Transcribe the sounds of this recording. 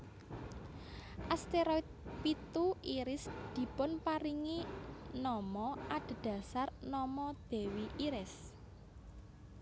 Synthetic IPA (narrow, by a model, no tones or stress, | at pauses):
ʔast̪eɾɔit̪̚pit̪uiɾɪsd̪̥i̤pʊnpaɾiŋinɔmɔʔaɖ̪̥̤d̪̥a̤sarnɔmɔd̪̥e̤wiʔiɾɪs